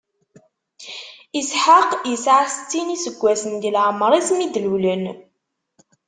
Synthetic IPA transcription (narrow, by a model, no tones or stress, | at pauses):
isħaqjəsʕast͡sːinisəɡʷːæsənɡəlʕməɾˤismid̪lulən